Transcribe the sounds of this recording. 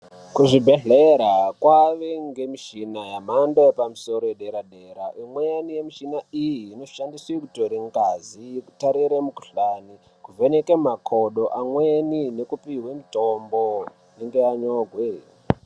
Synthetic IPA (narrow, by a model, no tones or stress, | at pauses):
kuʐibʱeɮeɾakwaʋeŋɡe̞miʃinajamandajepamuso̞ɾojeɗeɾaɗeɾaʔimwejanijemiʃinaijiːno̞ʃandiswekutoɾeŋɡazijeku̥taɾiɾemukuɬani | kuvenekemakʰoɗoʔamwenine̞kupiɦwemitombo̞ | neŋɡeaɲoɡʱwe